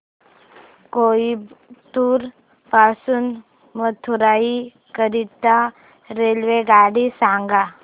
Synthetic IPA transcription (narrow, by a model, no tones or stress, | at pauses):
koːit̪uːɾ | pasun | mət̪ʰuɾaːi | kəɾit̪a | ɾeːlʋeɡaːɽisãːŋɡa